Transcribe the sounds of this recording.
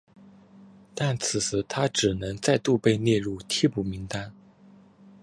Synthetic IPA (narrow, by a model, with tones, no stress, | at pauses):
t̪a˥˩nt͡sʰɹ̩˨˩t͡sʰɹ̩˨˧˩t̪ʰa˥ʈ͡ʂɻ̩˨˩nɤ˧˥ŋt͡sa˥˧ɪt̪u˥˧pe˥˧ɪnjɛ˥˧ɻu˥˩t̪ʰi˥pu˨˩mi˧˥ŋt̪a˥n